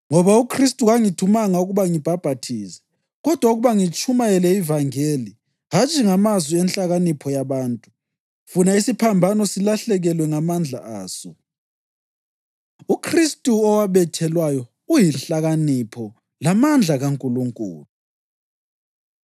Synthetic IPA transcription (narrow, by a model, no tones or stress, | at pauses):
ŋɔβaukʰristʼuɣaŋitʰumaŋauɣuβaŋib̥ʱab̥ʱatʰiːsɛ̥ | ɣɔd̥ʱwauɣuβaŋit͡ʃʼumaɛlɛivaŋeːli | ɦat͡ʃʼiŋamazwiɛnɬʼaɣanipʰɔjaβaːntʼu | funaisipʰambʱanɔsilaɬɛɣɛlwɛŋamand͡ɮʱa̰aːsɔ | ukʰristʼuɔwaβɛtʰɛlwajɔ | ujinɬaɣanipʰɔ | lamand͡ɮʱaɣaŋkʼuluŋkʼṵːlu